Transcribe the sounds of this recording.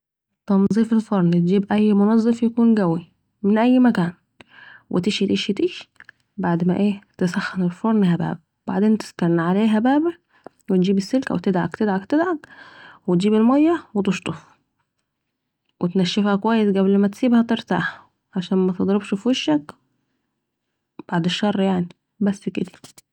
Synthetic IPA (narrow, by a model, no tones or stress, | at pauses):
t̪ːɑnzˤiːfelfoɾˤnt̪̚d͡ʒiːbʔæjːmonɑzˤːefjækuːnɡæwi | menʔæjːmækæːn | wʔet̪eʃit̪ʔiʃet̪iːʃ | baʕd̪mæʔeːt̪esæxːenelfoɾˤnhæbæ̰ːb̚ | baʕd̪eːnt̪e̥skɑɾˤnʕaleːɦæbæːbæ | wet̪̚d͡ʒiːbesːelkæ̰wet̪ed̪ʕa̰kt̪ed̪ʕakt̪ed̪ʕɑkwet̪̚d͡ʒiːbelmæjːæwet̪oʃt̪ˤof | wʔet̪næʃːefhækowæjːesɡæblmæt̪siːbhæt̪eɾt̪a̰ːħæ | ʕaʃæːnmæt̪ed̪ˤɾebʃfuʃːæk | b̥aʕd̪eʃːɑrˤːjaʕni | bæsːked̪æ̥